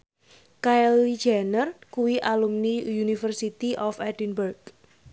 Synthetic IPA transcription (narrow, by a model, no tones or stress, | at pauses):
kajli̥d͡ʒanərkuwiʔalumnijunifərsit̪iʔɔfɛdinbərɡ